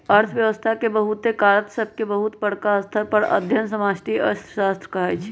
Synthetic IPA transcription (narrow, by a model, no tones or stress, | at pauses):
əɾt̪ʰʋjəʋəst̪ʰakebəɦut̪ekaɾət̪səb̚ʱkebəɦut̪bəɽkaəst̪ʰəɾpəɾə̰d̪ʱjənsəmasʈiə̰sʰsast̪ɾəkəɦɛt͡ʃʰi̥